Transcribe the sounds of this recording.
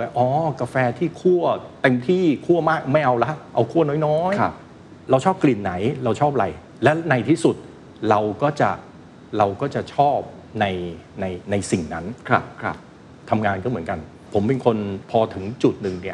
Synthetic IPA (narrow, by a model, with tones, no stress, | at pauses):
ʔɔː˨˦˩ka˧fɛː˧t̪ʰiː˥˩kʰu˥˩ɐt̪e˧mt̪ʰiː˥˩kʰu˥˩ɐmaː˥˩k̚ma˥˩jʔa˧wla˦˥ʔa˧wkʰu˥˩ɐnɔː˦˥jnɔː˦˥j | ɾa˧wt͡ɕʰɔː˥˩p̚kli˨˩nːa˩˦jɾa˧wt͡ɕʰɔː˥˩p̚ɾa˧j | lɛ˦˥na˧jt̪ʰiː˥˩su˨˩t̪̚ | ɾa˧wkɔː˥˩t͡ɕa̰˨˩ʔ | ɾa˧wkɔː˥˩t͡ɕa˨˩t͡ɕʰɔː˥˩p̚ | na˧jna˧jna˧jsi˨˩ŋna˦˥nkʰa˧˩kʰa˧˥ | t̪ʰa˧mŋaː˧nkɔː˥˩mɯ˩˦nka˧n | pʰo˩˦mpe˧nkʰo˧npʰɔː˧t̪ʰɯ˩˦ŋt͡ɕu˨˩t̪̚nɯ˨˩ŋni˦˥˩